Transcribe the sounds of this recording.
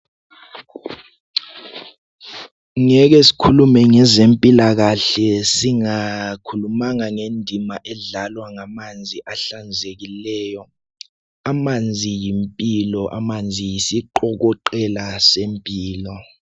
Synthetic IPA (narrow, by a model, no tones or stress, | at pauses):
ŋɛk̬esi̥kʰulumɛŋɛzempʼilak̬aɬɛsiŋakʰulumaŋaŋendʱimaʔɛɮalwaŋamand͡zʱiʔaɬand͡zʱek̬ilɛːjɔ | amand͡zʱijimpʼilɔʔa̰mand͡zʱijisiǃɔk̬ɔǃɛlasempʼiːlɔ